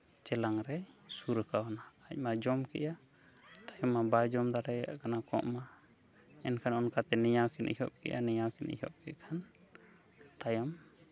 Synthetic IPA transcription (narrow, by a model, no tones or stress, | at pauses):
t͡ʃɛlaŋɾɛsuɾəkaɔnaːc̚ˀmad͡ʒɔmkɛ̰ʔa | t̪ajɔmːabajd͡ʒɔmd̪aɾɛa̰ʔkanakɔ̰̃ʔma | ɛnkʰanɔnkat̪ɛnɛjawkʰɛnʔḭɦɔʔ̚kɛ̰ʔa̰nɛjawkɛnʔḭɦɔp̚kɛʔkʰan | t̪ajam